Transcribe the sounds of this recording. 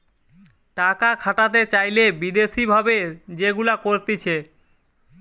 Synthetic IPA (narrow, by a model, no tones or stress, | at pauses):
ʈakakʰaʈat̪̬et͡ɕajlebid̪eʃibʱabed͡ʑeɡulakoɾt̪it͡ɕʰe